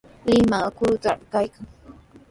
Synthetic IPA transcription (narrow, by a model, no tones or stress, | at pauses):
lɪmakʊɾʊt̪aɾkajkaŋ